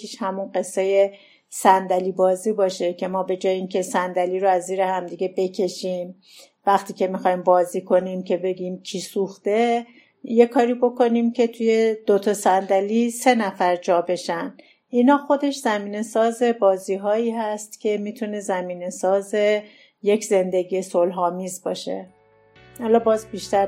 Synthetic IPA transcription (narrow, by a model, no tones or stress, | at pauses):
iʃhæmunɢe̞sːeje̞ | sænd̪æliːbɒːziːbɒːʃe̞cʰe̞mɒːbe̞d͡ʒɒːjeiːŋcʰe̞sænd̪æliːɾoæzːiːɾehæmd̪iɡe̞be̞cʰe̞ʃim | væxt̪ʰiːcʰe̞mixɒːjmbɒːziːkʰo̞nimcʰe̞be̞ɡiːmcʰiːsuxt̪e̞ | je̞kʰɒːɾiːbo̞ko̞nimcʰe̞t̪ʰuje̞d̪̥ot̪ʰɒsænd̪æliːse̞næfæɾd͡ʒɒːbe̞ʃæn | ʔinhɒːxo̞d̪e̞ʃzæmiːne̞sɒːze̞bɒːziːɦɒːiːɦæst̪cʲʰe̞miːt̪ʰune̞zæmiːne̞sɒːze̞ | je̞kʰze̞nd̪e̞ɡiːje̞solɦɒːmiːzbɒ̰ːʃe̞̰ | halɒːbɒːzbiʃt̪æɾ